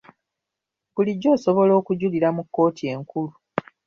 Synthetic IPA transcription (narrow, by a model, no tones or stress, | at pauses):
buliɟːo̞ːso̞βo̞lo̞ːkuɟuliɾamukːo̞ːtie̞ŋkulu